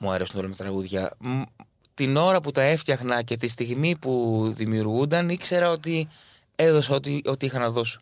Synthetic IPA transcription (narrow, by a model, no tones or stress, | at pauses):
muɐɾe̞sunolomet̪ɾɐɣuðʝɐ̰ | t̪ino̞ɾɐput̪ɐe̞ft̪çɐxnɐce̞t̪ist̪iɣmipuðimiuɾɣund̪ɐnikse̞ɾɐo̞t̪i | eðo̞sot̪io̞t̪iixɐnɐðo̞s